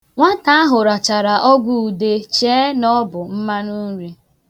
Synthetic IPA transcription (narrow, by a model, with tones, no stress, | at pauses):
ŋʷa˦ta˦a˦ɦʊ˨ɾa˨t͡ʃa˨ɾa˨ʔɔ˦ɡʷu˦u˨de˦t͡ʃeː˦nɔ˦bʊ˨m̩˦ma˦nu˦n˦ɾi˦